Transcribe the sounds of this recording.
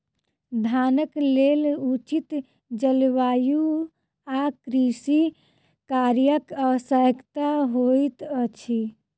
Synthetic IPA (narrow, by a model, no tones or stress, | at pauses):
d̪ʱanəklelut͡ʃit̪ | d͡ʒəlʋaju | akɾisi | kaɾjəkəsəkt̪aɦojt̪ət͡ʃʰi